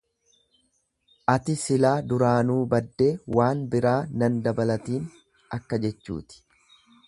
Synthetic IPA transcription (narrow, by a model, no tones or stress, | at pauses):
ʔɐt̪ɪsɪlaːd̪ʊɾaːnuːbɐd̪ːe̞ːwaːnbɪɾaːnɐnd̪ɐbɐlɐt̪iːn | ɐkːɐd͡ʒɛt͡ʃːṵːt̪ɪ̥